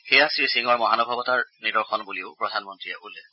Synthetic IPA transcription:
xejasɹisiŋɔɹmɔɦanɔbʱabɔtaɹnidɔɹxʰɔnbuliʊpɹɔdʱanmɔntɹiabulɛ

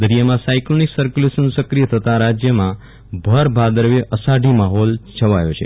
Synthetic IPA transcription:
d̪əɾijamãsajkloniksəɾkjulesənsəkɾijət̪ʰət̪ãɾad͡ʒjəmã | bʱəɾbʱad̪əɾʋeʔəsaɖʱimaɦɔlt͡ʃʰəʋajot͡ʃʰḛ

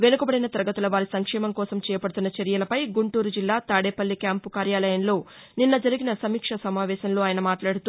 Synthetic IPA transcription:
ʋe̞nukɐbɐɽinɐt̪iɾɐɡɐt̪ulɐʋaːɾisɐŋkʂɛːmɐmkɔːsɐmt͡ʃɛːjɐpɐɽut̪unːɐt͡ʃɐɾijɐlɐpɐjɡuɳʈuːɾud͡ʒilːaːt̪aːɽeːpɐlːikjaːmpukaːɾjaːlɐjɐnlo̞ː | ninːɐd͡ʒɐɾiɡinɐsɐmiːkʂɐsɐmaːʋɛːsɐnlo̞ːaːjɐnɐmaːʈlaːɽut̪uː

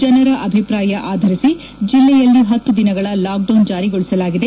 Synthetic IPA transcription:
d͡ʒɐnɐɾɐʔɐbʱipɾaːjɐʔaːd̪ʱɐɾisi | d͡ʒilːɛjɐlːiɦɐt̪ːud̪inɐɡɐɭɐlaːk̚ɖɐwnd͡ʒaːɾiɡoɭisɐlaːɡid̪e

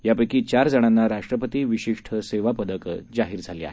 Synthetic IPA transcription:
japəjkiːt͡ɕaɾd͡zəɽ̃anːaɾaʂʈɾəpət̪iːʋiɕiʂʈʰəseʋapəd̪əkd͡zaɦiːɾd͡zʱalia̰ɦe

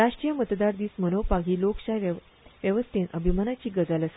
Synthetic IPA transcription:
ɾaɕʈɾijəmət̪d̪aɾd̪iːsmənowpaɡʱiːlokɕaj | ʋjəʋəst̪ʰenʔəbʱimanat͡ɕiːɡəd͡zaləs

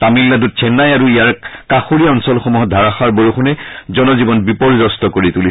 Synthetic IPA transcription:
t̪amilːadut̚sʰɛnːajaɹuijaɹkaxuɹijaɔnsɔlxɔmuɦɔdʱaɹaxaɹboɹuxunɛzɔnɔzibɔnbipɔɹizɔstɔkoɹit̪uli

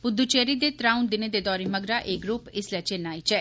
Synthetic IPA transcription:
bʊd̪ːuːt͡ʃɛːɾiːd̪eːt̪ɾaːʊnd̪ɪneːd̪eːd̪ɔːɾeːməɡɾaːʔeːɡɾuːpɪslɛːt͡ʃenːaːiːt͡ʃɛː

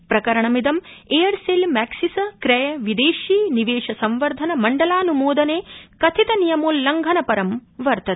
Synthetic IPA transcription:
pɾɐkɐɾɐɳɐmid̪ɐmeːɐɾsilmɛːksisɐkɾɐjɐʋid̪eːʃiːniʋeːʃɐsɐmʋɐɾd̪ʱɐnɐmɐɳɖɐlaːnumoːd̪ʱɐneːkɐt̪ʰit̪ɐnijɐmoːlːɐŋɡʱɐnɐpɐɾɐmʋɐɾt̪ɐ

